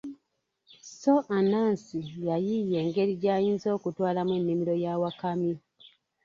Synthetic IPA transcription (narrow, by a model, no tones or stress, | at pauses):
so̞ʔanaːnsijajije̞ːŋɡe̞ɾiɟaːjiːnzo̞ːkutwaːlamwenːimiɾo̞jawakami